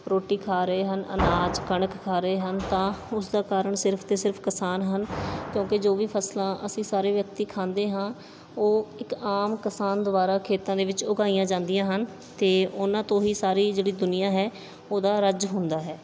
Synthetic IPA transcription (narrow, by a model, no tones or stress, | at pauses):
ɾoːʈiːkʰaːɾəeːɦənə̰naːd͡ʒkəɳəkʰːaːɾəeːɦənt̪ãːʊsd̪aːkaːɾəɳsɪɾpʰt̪eːsɪɾpʰkɪsaːnɦənkjõːkɪd͡ʒoːʋiːpʰəslãːʔəsĩːsaːɾeːʋjək̚t̪iːkʰãːnd̪eːɦãː | oːɪkaːmkɪsaːnd̪ʋaːɾaːkʰeːt̪ãːd̪eːʋɪt͡ʃʊɡaːijãːd͡ʒãːnd̪ijãːɦən | t̪eːʊnãːt̪õːɦiːsaːɾiːd͡ʒeːɽiːd̪ʊnɪjãːɦɛː | oːd̪aːɾəd͡ʒɦʊnd̪aːɦɛː